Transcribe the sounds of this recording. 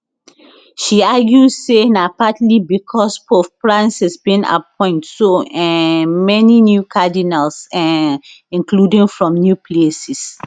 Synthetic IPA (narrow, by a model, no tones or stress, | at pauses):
ʃiaɡjudsenapatlibikʰɔspofpɹãnsɛsbĩna̰p̚ɔ̃ɪ̃ntsoɛ̃mɛninjukʰadinalsɛ̃ | ĩnkludĩŋfɹɔ̃mnjuplesis